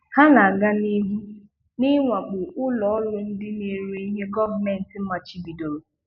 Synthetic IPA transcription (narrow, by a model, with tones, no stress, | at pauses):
ha˦na˨a˨ɡa˦ni˦ɦu˦ | nɪ˦ŋʷa˨k͡pʊ˨ʊ˦lɔ˨ɔ˦lʊ˦n̩˦dɪ˦ne˦˨ɾe˦i˦ɦe˦ɡɔ˦va˨me˨n̩˨tɪ˨m̩˦ma˨t͡ʃi˦bi˨do˨ɾo˨